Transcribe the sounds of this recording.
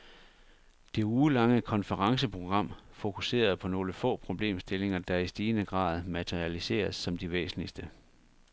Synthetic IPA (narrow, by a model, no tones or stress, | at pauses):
d̥e̝uːlɑ̈ŋəkʰɒ̽nfəʁɑ̈ŋsəpʰʁo̝ɡ̥ʁɑ̈m̰fo̝kʰuse̝̰ːɐð̞ˠpʰɒ̽no̝ːləfɔ̰̽ːpʰʁo̝b̥le̝̰ːmsd̥e̝le̝ŋɐd̥ɑ̈isd̥iːnəɡ̥ʁɑ̰̈ːð̞̩ˠmæt͡sʰeʁiælise̝̰ːɐsːɒ̽md̥iʋḛːsn̩lisd̥ə